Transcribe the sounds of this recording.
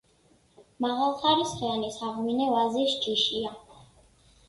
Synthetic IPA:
maʁalˠχaɾisʁɛanisaʁminɛvazisd͡ʒiʃia

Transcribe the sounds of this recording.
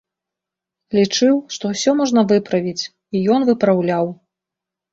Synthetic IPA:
lʲit͡ʂɨwʂt̪ɔwsʲɔmɔʐnɐvɨpɾɐvʲit͡sʲ | ijɔnvɨpɾawlʲaw

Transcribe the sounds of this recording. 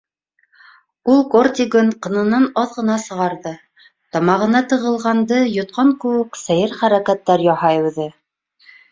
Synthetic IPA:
ulˠkort̪ʲiɡɵnqɤ̆nɤ̆nɑnɑðʁɤ̆nɑsɤ̆ʁɑɾðɤ | t̪ɒmɑʁɤ̆nɑt̪ɤ̆ʁɤ̆lˠʁɑnd̪ɤjŏt̪̚qɑŋkʉ̆wɘksæjɘɾχæɾækæt̪ːæɾjɒhɑjʉ̆ðɘ

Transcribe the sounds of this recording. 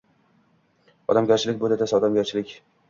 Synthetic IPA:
ɒ̰d̪amɡʲaɾt͡ʃʰɪlɪk̚ʲbod̪at̪asɒd̪amɡʲaɾt͡ʃʰɪlɪkʲ

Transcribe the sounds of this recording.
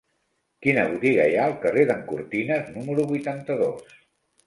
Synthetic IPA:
kinəβut̪iɣ̞əjaəlˠkəreðəŋkṵɾt̪inəznuməɾuβujt̪ant̪əðos

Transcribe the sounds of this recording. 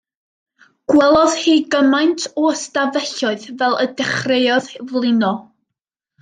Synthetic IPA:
ɡ̥wɛlˠɔð̥hiːɡəmajntʰɔəstavɛɬɔɨðvɛlˠədɛχrejɔðvlˠɪnɔ

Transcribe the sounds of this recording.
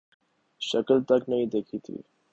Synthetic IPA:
ʃəkəlt̪əknəɦĩd̪ekʰit̪ʰḭː

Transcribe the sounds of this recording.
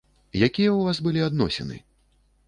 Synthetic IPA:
jakʲijɐwvasbɨlʲiad̪nɔ̰sʲɛ̰nɨ̰

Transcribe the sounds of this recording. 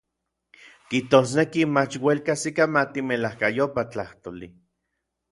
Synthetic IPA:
kiht̪osnekimat͡ʃwelkasikamat̪imelahkajopat͡ɬaht̪oli

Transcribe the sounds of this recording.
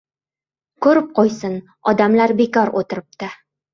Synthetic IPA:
kʰɵɾɪp̚qojsɪn | ɒd̪amlaɾbe̞kɒɾot̪ɪɾɪp̚t̪ɪ

